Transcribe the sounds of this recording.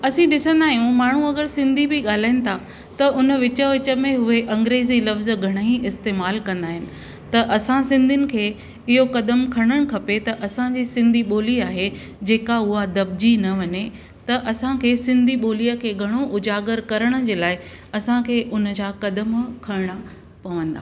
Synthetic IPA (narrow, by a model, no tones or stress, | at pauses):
ɐsĩɗɪsə̃nd̪aːɦijũmaːɳ̤ũɐɡəɾsɪ̃nd̪ʱibʱiɠaːl̤aːɪnɪ̆t̪ʰa | t̪ɐʔʊnə̆ʋɪt͡ɕəʋɪt͡ɕə̆mẽɦʊeʔɐ̃ŋɡɾeːzilɐfz̆ɡʱɐɽ̃ɦĩɪst̪eːmaːlkɐ̃nd̪aːɦɪnɪ̆ | t̪ɐʔɐsãsɪ̃nd̪ʱɪnɪ̆kʰeː | ɪɦokɐd̪əmkʰɐɽ̃əɽ̃kʰɐpet̪ɐʔɐsãd͡ʑiːsɪ̃nd̪ʱiɓoːliaːɦe | d͡ʑeːkaʊɦad̪ɐb̚d͡ʑinɐʋɐɲe | t̪ɐʔɐsãkʰeːsɪ̃nd̪ʱiɓoːlijəkʰeːɡʱɐɽ̃oʔʊd͡ʑaːɡəɾkɐɾəɽ̃ə̆d͡ʑeːlaːɪ | ɐsãkʰeːʔʊnə̆d͡ʑakɐd̪əmkʰɐɾɽ̃a | pɐʋə̃nd̪a̰ː